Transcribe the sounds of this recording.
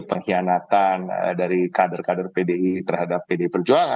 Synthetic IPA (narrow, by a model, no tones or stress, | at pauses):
pəŋhianat̪an̰daɾikadərkadərpedeit̪ərhadapːedeipərd͡ʒuaŋa